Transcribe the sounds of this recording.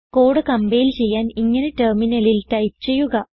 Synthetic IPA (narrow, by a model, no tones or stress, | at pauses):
ko̞ːɽɨkɐmbejilt͡ɕe̞jːaːniŋːɐneterminɐlilʈɐjpt͡ɕe̞jːuɣɐ